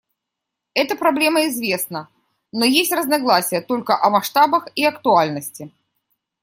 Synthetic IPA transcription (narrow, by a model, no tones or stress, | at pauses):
ɛt̪əpɾɐblʲe̞məɪzvʲesnə | nojesʲtʲrəznɐɡlˠasʲɪjət̪o̞lʲkəʔɐmɐʂt̪abəxiɐkt̪ʊalʲnəsʲtʲɪ